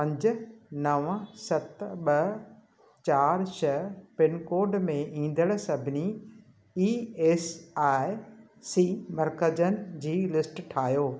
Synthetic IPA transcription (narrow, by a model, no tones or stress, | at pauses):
pɐ̃ɲd͡ʑʊ̆nɐʋə̃sɐt̪ɓɐ | t͡ɕaːɾʃɐpɪnkoːɾɖmẽʔĩːn̆d̪əɽ̃sɐbʱɪni | iːeːsaːɪ | siːmɐɾkəd͡ʑənɪ̆d͡ʑiːlɪsʈʈʰaːɦijoː